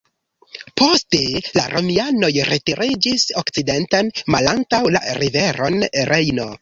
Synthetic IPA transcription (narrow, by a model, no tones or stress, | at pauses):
pʰo̞ste̞laɾo̞miano̞jɾetiɾid͡ʒisokt͡side̞ntanmalaŋtawla̰ɾive̞ɾo̞nɾʔe̞jno̞